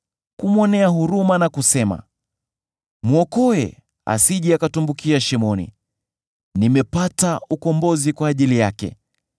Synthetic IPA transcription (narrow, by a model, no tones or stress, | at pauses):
kumɔnɛaɦuɾumanakusɛma̰ | muɔkɔɛ | a̰siʄɛakatumbukiaʃimɔnḭ | nimɛpataukɔmbɔzikwaːʄilijakɛ̰